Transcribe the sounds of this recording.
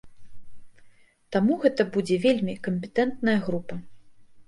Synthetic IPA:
t̪amuɣɛt̪ɐbud͡zʲɛvʲelʲmʲikɐmʲpʲɛt̪ɛnt̪nɐjɐɣɾupɐ

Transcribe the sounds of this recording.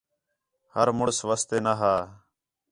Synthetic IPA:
həɾmʊɽsʋəst̪eːnaɦaː

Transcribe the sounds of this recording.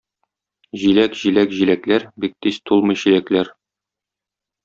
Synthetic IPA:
ʑilækʑilækʑilæklæɾbik̚t̪ist̪ulˠmɤ̆jɕilæklæɾ

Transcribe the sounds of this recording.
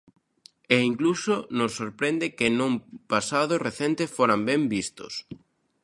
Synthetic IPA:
eiŋklusonʊsːoɾpɾend̪ɪkɪnũmpasaðʊreθent̪efoɾambɛmbist̪ʊ̰s

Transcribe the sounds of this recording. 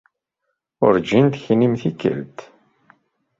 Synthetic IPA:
ʊ̰ɾd͡ʒint̪çnimθikːə̰lt̪

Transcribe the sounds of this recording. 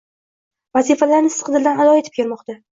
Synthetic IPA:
vazifalaɾnɪsqɨd̪ɪld̪analɒet̪ʰɪ̥p̚kʲʰe̞ɾmɒqt̪ʰa

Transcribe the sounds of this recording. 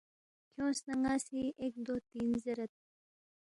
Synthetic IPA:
kʰjõːsnɐŋɡaːsiːʔek̚d̪ot̪iːnzɐɾɐt̪̚

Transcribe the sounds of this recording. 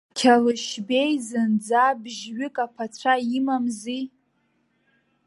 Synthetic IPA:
kʲʰalɨʃbe̞jzɨnd͡zabʒɥʏkʼapʰat͡ɕʷʰaimamzi

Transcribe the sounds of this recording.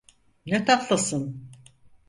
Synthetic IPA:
net̪ʰak̪lˠasɯn

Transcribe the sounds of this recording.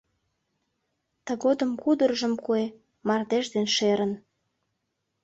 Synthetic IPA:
t̪əɣod̪əmkud̪ərʒəmkue | mɑrd̪eʒd̪enʃeɾən

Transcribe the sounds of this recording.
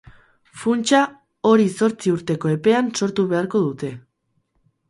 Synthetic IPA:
funt͡ʃa | o̞ɾiso̞ɾt͡siuɾt̪e̞ko̞e̞pe̞anso̞ɾt̪uβe̞aɾko̞ðut̪e̞

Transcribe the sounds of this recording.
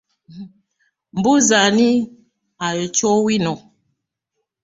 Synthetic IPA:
m̩buzani | ajɔt͡ʃɔwinɔ

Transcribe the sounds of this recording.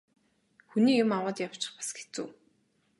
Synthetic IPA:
xuniːjʊmawə̆ːt̪jaw̥t͡ɕɪ̥̆χpḁsɡet͡suː

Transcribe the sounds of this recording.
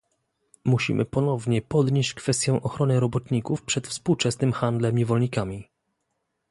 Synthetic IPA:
muɕḭmʔɘ̰pɔnɔvɲɛpɔd̪ɲeɕt͡ɕkfɛst̪jɔ̃w̃ʔɔxɾɔnɘɾɔbɔt̪ɲikufpʂɛt̪fspuwt͡ʂɛsnɘmxand̪lɛmɲɛvɔlɲikamʲi

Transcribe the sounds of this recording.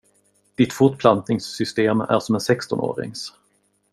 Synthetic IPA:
d̪̥ɪt̪fʊʈpʰlant̪nɪŋsːʏst̪eːmæ̰ɾʂɔmɛnsɛkst̪ɔno̰ːɾɪ̰ŋs

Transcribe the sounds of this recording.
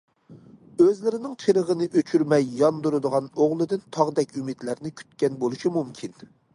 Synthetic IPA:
øzlɪɾɪnɪŋt͡ʃʰeɾəʁənɨʔøt͡ʃʰyɾmɛjːɑnd̪uɾɨd̪əʁɑnoʁlˠɨd̪ɪnt̪ʰɑʁd̪ɛkʲymid̪læɾnɪkʲʰy̥t̪kʲɛnbolˠuʃimumkʲʰin

